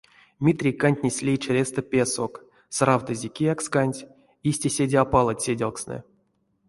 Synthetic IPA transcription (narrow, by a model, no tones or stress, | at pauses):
mʲit̪rʲijkanʲt̪ʲnʲesʲlʲejt͡ʃerʲest̪əpʲesok | srawt̪ɨzʲekʲijakskanʲtʲ | isʲtʲesʲedʲeapalˠatʲsʲedʲalˠksnɨ̰